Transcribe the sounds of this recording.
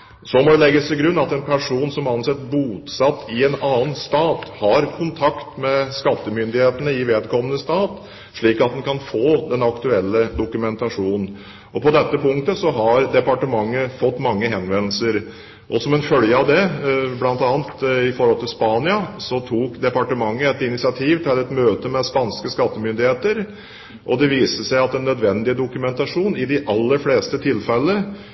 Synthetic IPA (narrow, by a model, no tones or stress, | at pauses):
sɔmɔd̪ɛlɛɡːəst̪ʰɪlɡɾʉnːɑt̪ɛnpʰæʂuːnsɔmɑnsɛt̪ːbuːt̪sɑt̪ːɪɛnɑːnst̪ɑːt̪hɑɾkʰʊnt̪ʰɑkt̪mɛskɑt̪ːəmʏnd̪ɪheːt̪ənəɪʋeːd̪kʰɔmːənəst̪ɑːt̪ | ʂɭiːkɑt̪̚d̪ɛnkʰɑnfoːd̪ɛnɑkt̪ʉɛlːəd̪ʊkʉmɛnt̪ɑʂuːnn̩ | ʔɔpɔd̪ɛt̪ːəpʰʊŋk̚t̪əsɔɦɑɾd̪ɛpɑʈəmɑŋːəfɔt̪ːmɑŋːəɦɛnʋɛnl̩səɾ | ʔɔsɔmɛnfœljəɑʋd̪ɛblɑnt̪ɑːnt̪ɪfɔɾhɔlt̪ʰɪlspɑːnɪɑsɔt̪ʰuːkd̪ɛpɑʈəmɑŋːəɛt̪ɪnɪsɪɑt̪ʰiːʋt̪ʰɪlɛt̪møːt̪əmɛspɑnskəskɑt̪ːəmʏnd̪ɪheːt̪əɾ | ʔɔd̪ɛʋiːsəsæɪɑt̪ːɛnːœd̪ʋɛnd̪ɪd̪ʊkʉmɛnt̪ɑʂuːnɪd̪ɪʔɑlːəɾfleːst̪ət̪ʰɪlːfɛlːə